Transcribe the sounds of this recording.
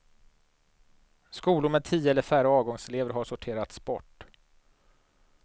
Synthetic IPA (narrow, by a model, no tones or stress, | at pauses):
skuːlʊɾmɛd̪̚t̪ʰiːəɛləɾfæːɾəɑːvɡɔŋsɛleːvəɾɦaʂʊʈʰeːɾat̪spɔʈː